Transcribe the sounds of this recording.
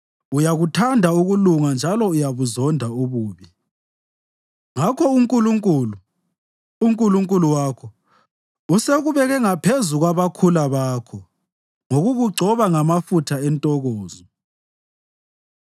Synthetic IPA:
ujaɣutʰandʱauɣuluŋand͡ʒʱalɔujaβuzɔndʱauɣuːβi | ŋakʰɔuŋkʼuluŋkʼulu | uŋkʼuluŋkʼuluwaːkʰɔ | useɣuβɛɣɛŋapʰezuɣwaβakʰulaβaːkʰɔ | ŋoɣuɣuɡ͡ǀʱɔβaŋamafutʰaɛntʼɔɣɔːzɔ

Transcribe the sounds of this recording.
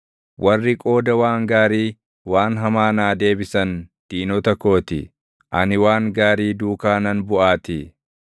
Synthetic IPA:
wʔɐrːɪkʼo̞ːd̪ɐwaːŋɡaːɾiː | waːnɦɐmaːnaːd̪e̞ːbɪsɐnd̪̥iːnɔt̪ɐko̞ːt̪ɪ̰ | ʔɐnɪwaːŋɡaːɾiːd̪uːkaːnɐnbʊʔaːt̪ɪ

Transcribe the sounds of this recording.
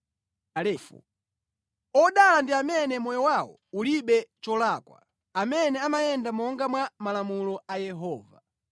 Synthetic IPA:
alɛfɔ̰ | ɔɗalandiamɛnɛmɔjɔwawɔ̰uliɓɛt͡ʃɔlakwa̰ | amɛnɛamajɛndamɔŋɡamwamalamulɔajɛɦɔːva

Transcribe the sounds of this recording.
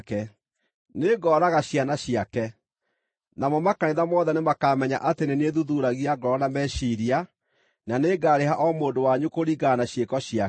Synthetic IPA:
kɛ | neɡɔːɾaɣaɕianaɕiakɛ | namɔmakaneðamɔːðɛnemakamɛɲaʔateneneðuðuɾaɣiaɡɔːnamɛʃiɾia | naneɡaːɾeɦaʔɔmoːdowaɲukoɾiɡanaɕjekɔɕia

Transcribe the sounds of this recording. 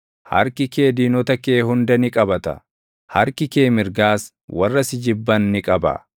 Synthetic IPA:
hɐ̰ɾkɪke̞ːd̪iːnɔt̪ɐkeːhʊnd̪ɐnɪkʼɐbɐt̪ɐ̰ | hɐɾkɪke̞ːmɪɾɡaːs | wɐrːɐsɪd͡ʒɪbːɐnːɪkʼɐbɐ̰

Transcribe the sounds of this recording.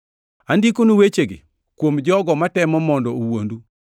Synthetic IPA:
andikonuwet͡ʃeɡɪ | kwomd͡ʒɔɡɔmatɛmɔmɔndɔowondu

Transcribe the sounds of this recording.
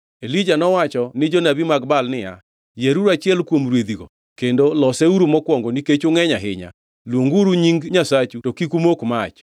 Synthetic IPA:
elid͡ʒanɔwat͡ʃɔnɪd͡ʒɔnabimaɡbalnɪja | jeɾuɾat͡ʃɪɛlkwomɾwed̪iɡo̰ | kendolɔsɛuɾumɔkwɔŋɡoniket͡ʃoŋɛɲaɦɪ̰ɲa̰ | lwoŋɡuɾuɲiŋɡɲasat͡ʃutokikumokmat͡ʃ

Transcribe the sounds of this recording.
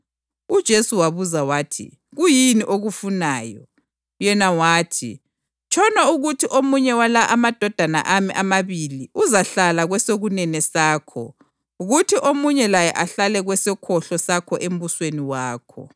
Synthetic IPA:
ud̥ʒ̥ʱesuwaβuzawaːtʰḭ | ɣujiniʔoɣufunaːjɔ | jɛnawaːtʰḭ | t͡ʃʼʰɔnauɣutʰiʔomuɲɛwalaʔamad̥ʱɔd̥ʱana̰ʔamiʔamaβiliʔuzaɬalaɣwɛsoɣunɛnɛsaːkʰɔ̰ | uɣutʰiʔomuɲɛlajɛʔaɬalɛɣwɛsɛkʰɔɬɔsakʰɔʔem̩busweniwaːkʰɔ̰

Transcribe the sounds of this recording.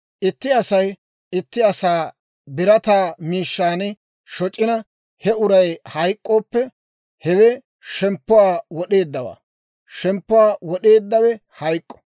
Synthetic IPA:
ʔɪt̪ːɪɐsɐj | ɪt̪ːɪɐsaː | bɪɾɐt̪aːmiːʃːaːnɪ | ʃɔt͡ʃʼːɪnɐ | hɛʊɾɐjhɐjkʼːo̞ːpːɛ | hɛwɛ | ʃɛmpːʊwaːwɔɗe̞ːd̪ːɐwa̰ː | ʃɛmpːʊwaːwɔɗe̞ːd̪ːɐwɛhɐjkʼːɔ̥

